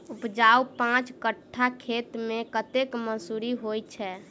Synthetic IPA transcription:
upd͡ʒaupãt͡ʃkəʈʰːakʰet̪mẽkət̪ekməsuɾiɦojt͡ʃʰɛ

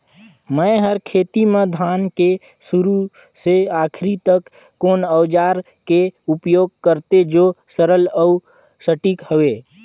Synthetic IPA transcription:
məɦəɾkʰeːt̪imẽd̪ʱaːnke | sʊɾu | seaːkʰɾit̪əkː | oːnəʋd͡ʒaːɾ | keʊpjoːɡ̚kəɾt̪ed͡ʒoːsəɾələu | səʈiːkhəʋeː

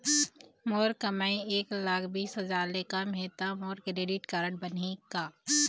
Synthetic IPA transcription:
moːɾkɐmaːĩeːklaːkʰbiːsɦɐzaːɾlekamɦeːt̪amoːɾkɾeːɖɪʈkaːɾəɳʈ̚bənikaː

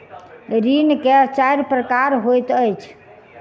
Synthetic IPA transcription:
ɾinkeət͡ʃajɾpɾəkaɾɦojt̪əjt͡ʃʰ

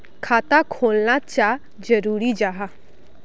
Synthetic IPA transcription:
kʰat̪akʰolnat͡ɕja | d͡ʑəɾuːɾid͡ʒaɦa

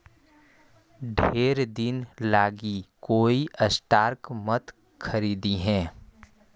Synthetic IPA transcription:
ɖʱeːɾd̪ɪnlaːɡikoːiʔəsʈaːɾkmət̪ | kʰəɾiːd̪iɦɛ̃ː

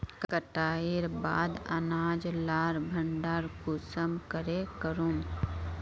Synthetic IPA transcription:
kkəʈaːiɾba̰ːd̪ɐ̰naːd͡ʒlaːɾbʱə̃ɳɖaːɾkuːsəmkəɾekəɾũːm

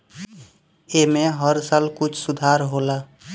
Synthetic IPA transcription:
emeɦəɾsaːlkʊt͡ʃʰsʊd̪ʱaɾɦola

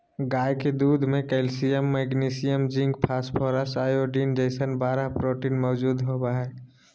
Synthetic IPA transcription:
ɡaːjked̪uːd̪ʱmẽkɛlsijəmːɛɡniːsijəmd͡ʒĩŋɡpʰaːspʰɔːɾəsaːjoɖiːnd͡ʒeɪsənbaːɾaɦpɾoːʈiːnmɔːd͡ʒuːd̪ɦobaɦɛː

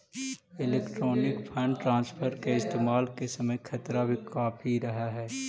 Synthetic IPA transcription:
ɪleːkʈɾoːnɪkpʰɛːɳʈɾãːnspʰəɾkeɪst̪eːmaːlkesɐməjkʰɐt̪ɾabʱikaːpʰiɾɐɦaɦɛː

